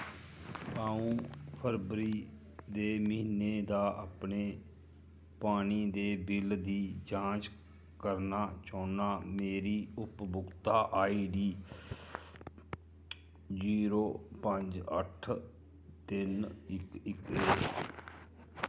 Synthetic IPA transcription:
aːũːpʰəɾbɾiː | d̪eːməɦiːneːd̪aːʔaːpɳeː | paːniːd̪eːbɪld̪iːd͡ʒãːt͡ʃ | kəɾnaːt͡ʃoːnaːmeːɾiːʊpbʊkt̪aːʔaːiːɖiː | d͡ʒiːɾoːpəɲd͡ʒə̰ʈʰ | t̪ɪnɪkɪkeː

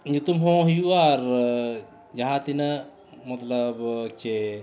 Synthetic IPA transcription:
ɲd͡ʒut̪umɦõːɦijuaɾ | d͡ʒɐɦãt̪inɐ | mɐt̪lɐbt͡ʃe

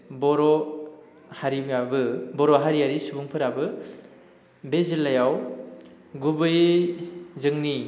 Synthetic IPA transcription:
bɔɾɔ | haɾiabɯbɔɾɔɦaɾiɦaɾisubuŋpʰɯɾabɯ | bezilːajaw | ɡubɯj | zɯŋni

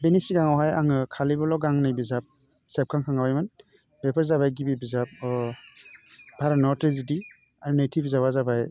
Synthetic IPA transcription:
benisiɡaŋɔɦajaŋɯkʰalibɔlɔɡaŋnajbizap̚ | sep̚kʰaŋkʰaŋawajman | bepʰaɾzabajɡibibizap̚ | bʱaɾanɔɾtɾiziti | aɾunejtʰibzabazabaj

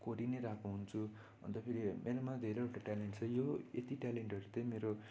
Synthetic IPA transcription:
koɾineɾakuɦunt͡sʰu | ʌ̰nt̪ʌpʰeɾimʔeɾomad̪ʱeɾeewʈaʈaleɳʈt͡sʰʌjoet̪iʈaleɳʈʌɾut̪ʌ̃j̃meɾo

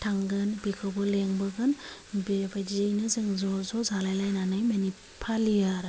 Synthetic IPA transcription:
tʰaŋɡɯnbikʰɔbɯleŋbɯɡɯnbibajd͡ʒijnɯzɯŋzɔzɔzalajlajnanɯjmeni | pʰalijaɾ

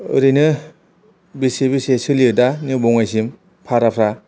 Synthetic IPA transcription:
ɯ̰ɾinɯ | bisebisesɯliɯdanɯbɔŋajsim | pʰaɾapʰɾa

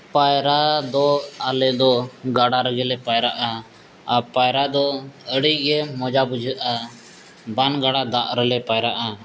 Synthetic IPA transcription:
pajɾad̪ɔalɛd̪ɔɡaɽaɾəɡɛlɛpajɾaʔa | apajɾad̪ɔəɽiɡɛmɔd͡ʒabud͡ʒʱəʔa | banɡaɽad̪aʔɾəlɛpajɾaʔa

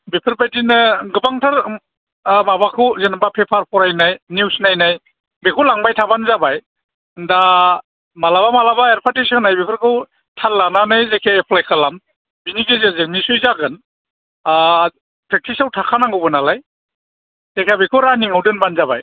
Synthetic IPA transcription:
bepʰɯɾpajtinɯɡɯbaŋtʰaɾ | babakʰɯwzenbapʰepʰaɾpʰɔɾajnajniwsnajnaj | bekʰulaŋbajtʰabanzabaj | nda | malaβamalabaeɾpʰatisɯnajbipʰɯɾkʰɯw | tʰallːananɯjzekʰaepʰlajkʰalam | binikezezek̚nisujzaɡɯn | pʰɾek̚tʰisawtʰakʰanaŋɡɯbɯnalaj | zekʰiabekʰɯwɾaniŋawdɯnbanzabaj

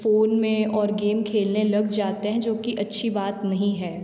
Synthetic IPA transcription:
foːnmẽɔːɾɡeːmkʰeːlnelɐɡd͡ʒaːt̪eɦɛ̃d͡ʒoːkiʔɐtːʃʰibaːt̪nɐɦĩɦɛː

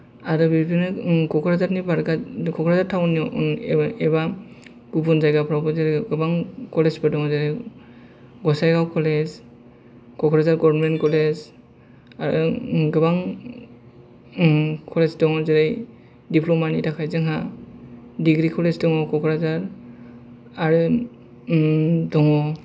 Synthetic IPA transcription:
aɾɔbibinɯkɔkʰɔɾazaɾnibaɾɡakʰɔkʰɔɾazaɾtʰawnijɔ | ɛba | ɡ̥ubunzajɡapʰɾabɔzeɾɡɯbaŋkɔlezbadɔŋɔzeɾej | ɡɔsajɡawkʰɔlez | kɔkʰɔɾazaɾɡɔbnmɛnkɔlez | aɾɯ̰ɡɯbaŋ | kʰɔlezdɔŋɔzeɾej | dipʰlɔmanitʰakʰajzɯŋɦa | diɡɾikʰɔlezdɔŋɔkɔkʰɔɾazaɾ | aɾɯ | dɔŋɔ

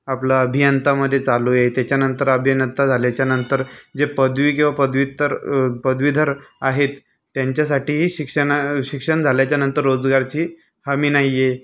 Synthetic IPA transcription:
aplaəbʱijənt̪aməd̪ʱːjet͡salujet̪jat͡ɕjanənt̪əɾəbʱjənət̪ad͡zʱaljat͡ɕjanənt̪əɾd͡zepəd̪ʋiːkĩw̃ʋapəd̪ʋit̪əɾpəd̪ʋid̪ʱəɾaɦet̪ː | jaɲt͡ɕjasaʈiːɦiːɕikʂəɳaɕikʂəɳd͡zʱaljat͡ɕjanənt̪əɾːod͡zɡaɾt͡ɕiː | həmiːnaije

